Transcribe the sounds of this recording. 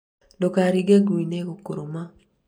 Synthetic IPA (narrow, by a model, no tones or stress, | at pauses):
dokaɾiɡeɡɾinekokoɾoma